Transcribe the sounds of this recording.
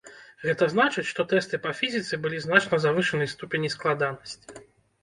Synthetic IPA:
ɣɛt̪ɐznat͡ʂɨt͡sʲʂt̪ɔt̪ɛst̪ɨpɐfʲizʲit̪sɨbɨlʲiznat͡ʂnɐzavɨʂɨnɨst̪upʲenʲisklˠad̪anɐsʲt͡sʲi

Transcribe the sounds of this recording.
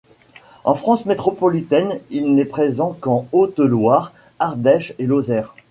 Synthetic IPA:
ɑ̃fχɑ̃smet̪χɔpɔlit̪ɛnilnɛpχezɑ̃kɑ̃ot̪lwaʁ | aʁd̪ɛʃelozɛːʁ

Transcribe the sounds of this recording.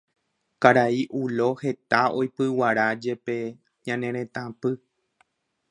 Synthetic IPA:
kaɾaiʔulo̞he̞t̪ao̞jpɨwaɾad͡ʒe̞pe̞ | ɲãnẽɾ̃ẽ̞t̪ãpɨ

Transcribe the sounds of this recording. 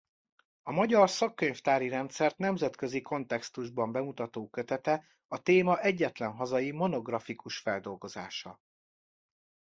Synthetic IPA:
ɒmɒɟɒrsɒkːøɲft̪aːɾiɾɛnt̪sɛrt̪nɛmzɛt̪kø̞ziko̞nt̪ɛkst̪uʒbɒmbɛmut̪ɒt̪oːkø̞t̪ɛt̪ɛ | ɒt̪eːmɒʔɛɟːɛt̪lɛnɦɒzɒjimo̞no̞ɡrɒfikuʃfɛld̪o̞lɡo̞za̰ːʃɒ̰

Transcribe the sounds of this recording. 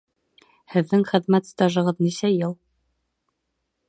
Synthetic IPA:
hɘ̆ðːɘŋχɘ̆ðmæt̪st̪ɑʒɤ̆ʁɤðnisæjɤlˠ

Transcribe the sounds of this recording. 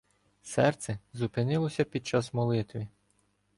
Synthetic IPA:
sɛrt̪sɛzupɪnɪlˠɔsʲɐpʲid̪̚t͡ʃɑsmɔlˠɪt̪ʋʲi

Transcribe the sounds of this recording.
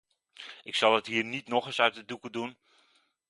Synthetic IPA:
ɪksɑlˠətɦiːɹnitnɔχəsœɥt̚ədukədun

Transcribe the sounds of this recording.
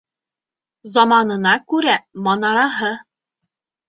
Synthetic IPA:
zɒmɑnɤ̆nɑkʉɾæmɒnɑɾɑɦɤ

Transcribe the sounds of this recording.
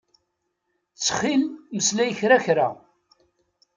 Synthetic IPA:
t͡sːχilməslæjəçɾaçɾa

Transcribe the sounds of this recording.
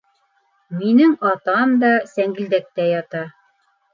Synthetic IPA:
minɘŋɑt̪ɑmd̪ɑsæŋɡɘ̆ld̪æk̚t̪æjɑt̪ɑ

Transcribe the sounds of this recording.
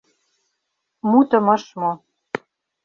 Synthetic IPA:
mut̪ə̆mɤ̆ʃmo

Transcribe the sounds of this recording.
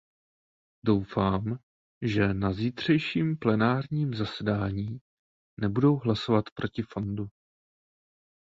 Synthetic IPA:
do̞wfaːm | ʒɛnaziːt̪r̝̥ɛjʃiːmplɛnaːɾɲiːmzasɛdaːɲiː | nɛbudo̞wɦlasovat̪pɾʔo̞cɪfondu

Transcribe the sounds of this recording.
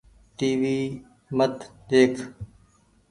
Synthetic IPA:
ʈiːʋiː | mət̪ɗ̪eːkʰ

